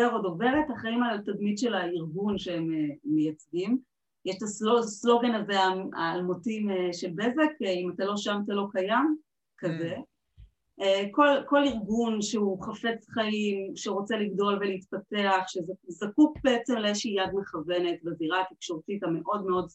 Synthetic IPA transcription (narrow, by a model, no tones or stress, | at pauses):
aʁodove̞ʁethaχaimaltadmidʃelaiʁɡunʃeemeːejat͡sɡim | jɛʃtasoslo̞ɡenazeaa̰ːlmotimeʃelbezekimatalo̞ʃamtalo̞kajam | kaze̞ | ekolko̞liʁɡunʃeuχafet͡sχaimʃeʁo̞t͡seliɡdo̞lveliit̪pateaχʃezazakukbeet͡semleeʃijadmeχave̞ne̞tbaziʁaːt̪ikʃo̞ʁtitame̞ʔo̞dmeo̞d